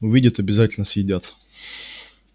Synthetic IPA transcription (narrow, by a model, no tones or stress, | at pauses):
ʊvʲidʲət̪ɐbʲɪzatʲɪlʲnəsjɪdʲat̪